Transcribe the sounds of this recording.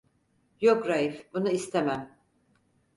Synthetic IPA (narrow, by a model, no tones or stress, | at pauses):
jokɾajifbunuist̪ʰemæm